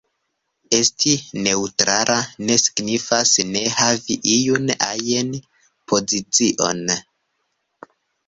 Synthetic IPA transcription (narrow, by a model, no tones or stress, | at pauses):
e̞stine̞utɾaɾʔane̞si̥ɡnifasne̞haviʔijuna̰jen | pʰo̞zit͡siʔo̞̰n